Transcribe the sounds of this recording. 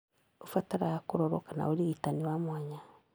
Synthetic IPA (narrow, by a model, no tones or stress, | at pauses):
ofataɾaakoɾɔɾɔkana̰oɾeɣitaniwamwaɲa